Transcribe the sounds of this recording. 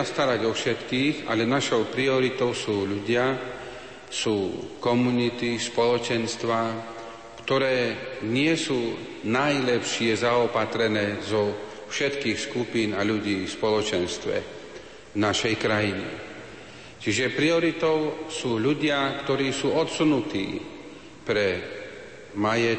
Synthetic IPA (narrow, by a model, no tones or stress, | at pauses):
ast̪aɾaɟɔfʃɛt̪kiːɣa̰lɛnaʃɔʊpɾiɔɾit̪ɔʊsuːʎuɟɪa | suːkɔmunit̪ispɔlɔt͡ʃɛnst̪ʋa | kt̪ɔɾɛːɲɪɛsuː | najlɛpʃɪɛzaɔpat̪ɾɛnɛːzɔ | fʃɛt̪kiːxskupiːnaʎuɟiːfspɔlɔt͡ʃɛnst̪ʋɛ̰ | naʃɛjkɾajinḭ | t͡ʃiʒɛpɾiɔɾit̪ɔʊsuːʎuɟɪakt̪ɔɾiːsuːɔt̪sunut̪ḭː | pɾɛ | majɛ